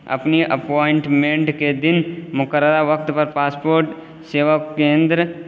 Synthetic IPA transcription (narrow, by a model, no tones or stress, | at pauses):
ɐ̰pniʔɐ̰pɔːɪɳʈmẽɳʈked̪ɪnmʊkəɾəɾaʋɐk̚t̪pɐɾpaːspoːɾʈ | seːʋəkːẽːnd̪ɾə